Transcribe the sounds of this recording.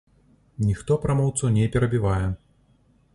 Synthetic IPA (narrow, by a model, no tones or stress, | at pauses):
nʲixt̪ɔpɾamɔwt̪sɐnʲɛpʲɛɾɐbʲivajɛ